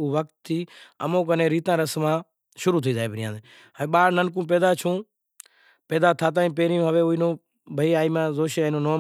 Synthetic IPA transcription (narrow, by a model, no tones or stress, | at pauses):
ʊʋək̚t̪ʰːiːə̰mõːkənẽːɾiːt̪ãːɾəsmãː | ʃʊɾuːt̪ʰiːd͡ʒaːeːbʱəɾɪjã̰ːẽː | ɓaːɽnənk̬ũːpeːd̪aːt͡ʃʰũː | peːd̪aːt̪ʰaːt̪̬aːĩːp̬eːɾjũːɦəʋeːʊːiːnõː | bʱəiːaːiːmãːzoːʃeːaːnõːnoː